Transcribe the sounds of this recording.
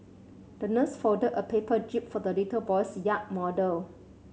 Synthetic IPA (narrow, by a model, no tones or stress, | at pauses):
d̥ənəsfɔdədəpʰepəd͡ʒip̚fɔdəlitəbɔjsjaʔ̚mɔdəl